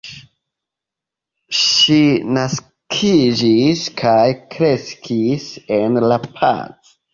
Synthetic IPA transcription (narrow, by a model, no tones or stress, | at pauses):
ʃinas | kʰid͡ʒiskʰajkɾe̞skʰisenlapʰa̰t͡s